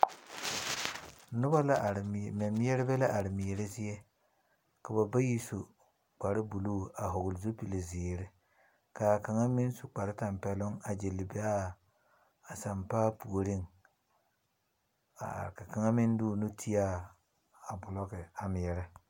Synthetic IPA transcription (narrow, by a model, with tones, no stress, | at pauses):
nʊ˦ba˦la˦˨mɛ˨mɪ˦ɛ˦ɾɪ˦bɛ˦la˦ʔa˨ɾɪ˨mɪ˨ɛ˨ɾɪ˦zɪ˦jɛ˦ | ka˨ba˨ba˦ji˦so˨ | k͡pa˨ɾɪ˦bu˨luː˦˨a˨ɦʊ˨ɡʊ˨lzo˦pi˨li˨zɪː˨ɾɪ˦ | kaː˨ka˨ŋa˦mɪ˦n˦su˨k͡pa˨ɾɪ˦ta˨mpɛ˨lʊ˦ŋa˨d͡ʒe˨lɪ˨bɛ˦a˦˨ | sa˨mpaː˦pu˨o˨ɾɪ˦˨ŋ | a̰˨ka˨ka˨ŋa˦mɪ˦n˦duː˦˨nʊ˦tʰi˦a˦˨ | a˨bʊ˨lɔ˦kɪ˨a˨mɪ˨jɛ˨ɾɪ˦